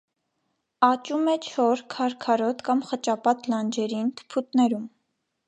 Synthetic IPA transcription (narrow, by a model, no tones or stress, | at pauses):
ɑt͡ʃumɛt͡ʃʰɔɾkʰɑɾkʰɑɾɔt̪kɑmχət͡ʃɑpɑt̪lɑnd͡ʒɛɾint̪ʰə̥pʰut̪nɛɾum